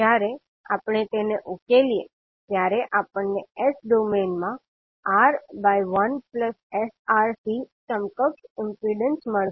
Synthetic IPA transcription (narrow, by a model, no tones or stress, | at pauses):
aɾe | a̰pɳ̃et̪eneʔukelije | t̪jaɾeʔapəɳːeesɖomenmã | aɾbajʋənpləsesaɾsisəmkəkɪmpɾiɖənsməɭ